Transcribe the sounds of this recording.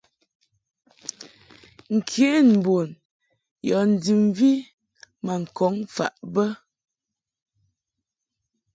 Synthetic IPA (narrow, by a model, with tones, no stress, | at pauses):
ŋ̩˨kʰje˨˦˨nm̩˨bo˨n | jɔ˨n̩˨di˨mvi˦ | ma˨ŋ̩˨kɔ˨˦ŋfa̰˨ʔbə˦